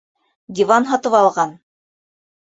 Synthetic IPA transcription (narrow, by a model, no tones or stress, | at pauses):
d̪ʲivɑnɦɑt̪ɤpɑlˠʁɑn